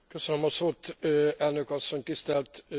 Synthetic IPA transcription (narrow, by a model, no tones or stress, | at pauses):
køsønømɒsoːt̪ɛlnøkɒsːo̞ɲt̪ist̪ɛlt̪